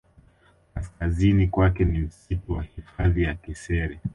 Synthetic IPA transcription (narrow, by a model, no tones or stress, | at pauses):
kaskazinikwakɛnim̩situwahifaðijakisɛɾɛ